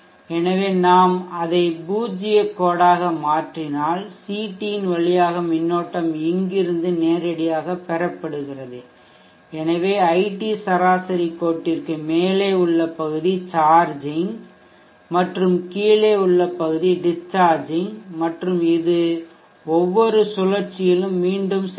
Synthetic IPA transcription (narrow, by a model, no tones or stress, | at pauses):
ɛnɐʋeːnaːmɐðɐɪbuːd͡ʒɪjɐkːoːɽaːɣɐmaːʈrɪnaːlsiːʈːijɪnʋɐɭɪjaːɣɐmɪnːoːʈːɐmɪŋɡɪɾɯnd̪ɯneːɾɐɽɪjaːɣɐpɛɾɐpːɐɽɯɣɪrɐðɯ | ɛnɐʋeːɐɪʈːisɐɾaːsɐɾikːoːʈːɪrkɯmeːleːʊɭːɐpːɐɣɯðit͡ʃaːɾd͡ʒɪŋ | mɐʈrɯmkiːleːʊɭːɐpːɐɣɯðiɖɪst͡ʃːaːɾd͡ʒɪŋmɐʈrɯmɪðɯ | ɔʋːɔɾɯsʊlɐɾt͡ʃːɪjɪlɯmːiːɳɖɯms